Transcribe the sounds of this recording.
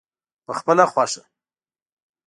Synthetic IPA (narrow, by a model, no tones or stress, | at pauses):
pəxpəlaxwɑʂa